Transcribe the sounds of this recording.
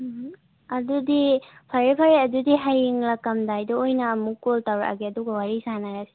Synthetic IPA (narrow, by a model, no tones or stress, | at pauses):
ɐdudipʰɐɾipʰaɾiɐdudiɦajiŋlakːɐmdajdɔojnɐːmukːoltawɾa̰ʔa̰ɡeɐduɡɐwaɾisanaɾasi̥